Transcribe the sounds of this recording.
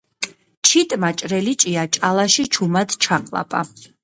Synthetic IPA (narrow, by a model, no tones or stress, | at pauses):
t͡ʃʰit̪ʼmat͡ʃʼɾɛlit͡ʃʼiat͡ʃʼalaʃit͡ʃʰumad̪t͡ʃʰaqʼlˠa̰pʼa̰